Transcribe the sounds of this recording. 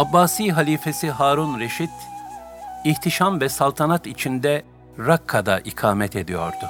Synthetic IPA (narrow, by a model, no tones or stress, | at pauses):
abːaːsijɦalʲiːfe̞siɦaːɾunɾeʃit̪ | iht̪ʰiʃamvɛsalˠt̪ʰanat̪it͡ʃʰind̪ɛ | ɾakʰːad̪a̰ʔikʰaːmɛt̪ʰe̞d̪ijo̞̰ɾd̪ʊ